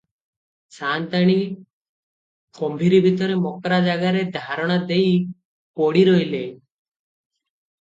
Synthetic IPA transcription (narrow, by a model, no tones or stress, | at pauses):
sant̪aɽ̃i | kɔmbʱiɾibʱit̪ɔɾemɔkɾad͡ʒaɡaɾed̪ʱaɾɔɽ̃ad̪ej | pɔɽiɾɔjle